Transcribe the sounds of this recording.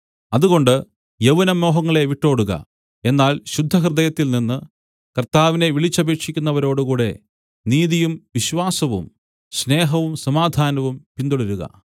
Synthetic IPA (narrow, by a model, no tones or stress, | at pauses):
ɐðuɣo̞ɳɖɨ | jɐʋɐnɐmo̞ːɦɐŋːɐɭe̞ʋiʈːo̞ːɽuɣɐ̰ | e̞nːaːlɕud̪ʱːɐɦrɨd̪ɐjɐt̪ːilninːɨ | kɐrt̪aːʋine̞ʋiɭit͡ɕːɐbe̞ːkʂikʲːunːɐʋɐɾo̞ːɽukuːɽe̞̰ | niːðijumʋiɕʋaːsɐʋṵm | ɕne̞ːɦɐʋumsɐmaːd̪ʱaːnɐʋumpind̪uɭɐɾuɣɐ̰